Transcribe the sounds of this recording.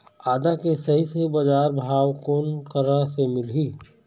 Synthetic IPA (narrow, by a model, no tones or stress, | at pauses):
aːd̪akesɐɦisebɐd͡ʒaːɾbʱaːwkoːnkəɾasemɪlɦiː